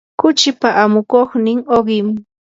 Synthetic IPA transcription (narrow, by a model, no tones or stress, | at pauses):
kʊt͡ʃɪpaʔamʊkoχnɪŋoɢɪm